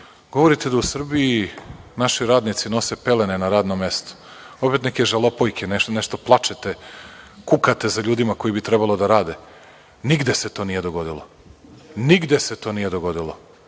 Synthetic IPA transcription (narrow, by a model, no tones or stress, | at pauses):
ɡ̥o̞ʋo̞ɾit̪e̞d̪ausr̩biinaʃiɾaːd̪nit̪sino̞sepe̞lenenaɾaːd̪nome̞st̪o̥ | o̞pe̞t̪neke̞ʒalo̞pojkʰeneneʃt̪o̞plˠat͡ʃet̪ekukat̪e̞zaʎuːd̪imako̞jibit̪ɾebalod̪aɾaːd̪e | niɡd̪e̞set̪o̞ːnijed̪oɡo̞d̪ilˠo | niɡd̪e̞set̪o̞ːnijed̪o̞ɡo̞d̪ilˠo̰